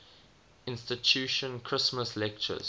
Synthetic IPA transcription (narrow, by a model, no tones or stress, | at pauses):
ɪ̃nstɪtʰuʃə̃nkʰɹ̥ɪsməslɛk̚t͡ʃə̰z̥